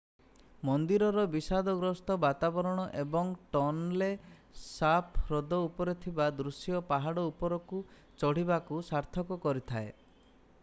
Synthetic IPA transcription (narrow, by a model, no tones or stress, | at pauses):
mɔnd̪iɾɔɾɔbisad̪ɔɡɾɔst̪ɔbat̪abɔɾɔɽ̃ɔʔebɔŋʈɔnle | sapʰɾɔd̪ɔupɔɾet̪ʰibad̪ɾusjɔpaɦaɽɔupɔɾɔku | t͡ʃɔɽ̤ibakusaɾt̪ʰɔkɔkɔɾit̪ʰae